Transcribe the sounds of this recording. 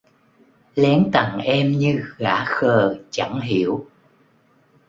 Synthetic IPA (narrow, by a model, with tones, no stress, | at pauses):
lɛ˨˦ŋt̪a˨˩ŋʔɛ˧mɲɨ˧ɣa̰ː˧˥xəː˨˩t͡ɕa˧˩ŋɦi˧˩˨əw